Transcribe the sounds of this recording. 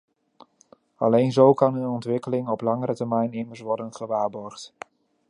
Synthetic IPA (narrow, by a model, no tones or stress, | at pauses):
ɑlejnzowkɑnənɔntʋɪkəlɪŋɔplɑŋəɾətɛɹmɛjnɪməɹsʋɔɹdənχəʋaːɹbɔɹχt